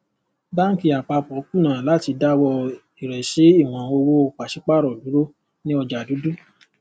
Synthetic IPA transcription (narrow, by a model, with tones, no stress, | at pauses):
ba˦ki˦a˨k͡pa˧k͡pɔ˨˦ku˦˨nã˨la˨˦ti˧da˦wɔ˧ | i˨ɾɛ˨ʃe˨˦i˦˨w̃ɔ̃˨o˧wo˦o˧k͡pa˨ʃi˦k͡pa˦˨ɾɔ˨du˨˦ɾo˦ | nĩ˦ɔ˧d͡ʒa˨du˨˦du˦